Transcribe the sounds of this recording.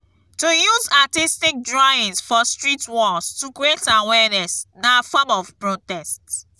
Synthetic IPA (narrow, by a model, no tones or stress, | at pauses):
tujuzatistik̚dɹaĩsfɔstɹitwɔstuɡɹetawɛnɛsnafɔmɔvpɹotɛst